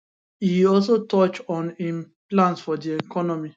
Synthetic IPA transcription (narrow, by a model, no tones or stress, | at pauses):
iɔls̬otɔt͡ʃɔ̃nim | plãnsfɔdiɛkɔnɔmi